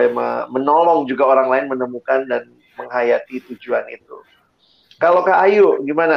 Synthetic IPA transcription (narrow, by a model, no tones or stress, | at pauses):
amə̰mənɔlɔŋd͡ʒuɡaoɾaŋlaɪnmənəmukandan | məŋɦajat̪it̪ud͡ʒuanḭt̪ṵ | kalawkaːjuʔɡimana